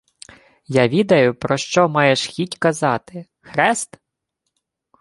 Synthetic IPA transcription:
jaʋʲid̪ɐjʊpɾɔʃt͡ʃɔmɑjeʃxʲitʲkɐzɑt̪ɪ | xɾɛst̪

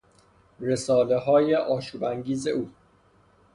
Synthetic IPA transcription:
re̞sɒːle̞ɦɒːje̞ʔɒːʃuːbæŋɟiːze̞̰ʔuː

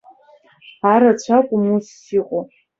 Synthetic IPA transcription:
aɾat͡ɕʷʰakʷʼʊmusːiqʷʼo

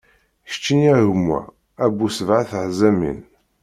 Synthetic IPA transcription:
ʃt͡ʃːinæʝəmːæ̰ | æbusəvʕaθʕzæmḭn

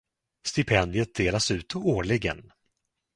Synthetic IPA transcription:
st̪ɪpʰɛnd̪ɪət̪̚d̪eːlasʉ̟ːt̪ɔoːɭɪɡə̰n

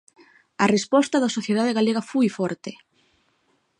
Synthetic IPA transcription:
ɐrespɔst̪ɐðɐsoθjeð̞að̞eɣaleɣɐfujfɔɾt̪e

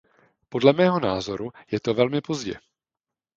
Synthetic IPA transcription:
po̞dlɛmɛːɦo̞naːzo̞ɾujɛt̪o̞vɛlmɪpo̞zɟɛ̰

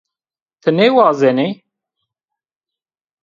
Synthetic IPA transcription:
t̪ʰənewɑːzene

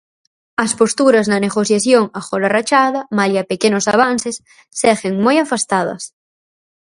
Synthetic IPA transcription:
ɐspost̪uɾɐznɐneɣoθjaθjoŋaxolarat͡ʃaðɐmaljapekenosaβ̞anθesː | ɛɣeŋmojafast̪að̞ɐ̰s

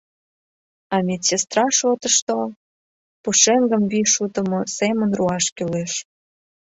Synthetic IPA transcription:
ɑmʲet̪sest̪rɑʃot̪əʃt̪ol | puʃeŋɡəmviʃut̪əmosemənruɑʃkyleʃ

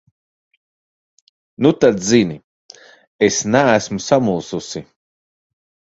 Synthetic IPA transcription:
nut̪ad̪zini | esnæːsmusamulˠsusi

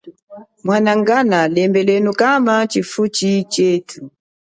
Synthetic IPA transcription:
mwanaŋɡanalɛmbɛlɛnukamat͡ʃifut͡ʃit͡ʃɛtʰu

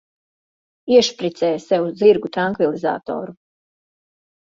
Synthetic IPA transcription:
ieʃpɾit̪seːseud̪ziɾɡut̪ɾaŋkʋiliza̰ːt̪o̰ːɾu

